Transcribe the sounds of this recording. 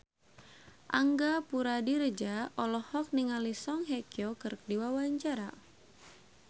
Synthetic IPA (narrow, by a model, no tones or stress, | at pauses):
ʔaŋɡapuɾadiɾəd͡ʒaɔlɔhɔk̚niŋalisɔŋɦekjɔkərk̚diwawaɲt͡ʃaɾa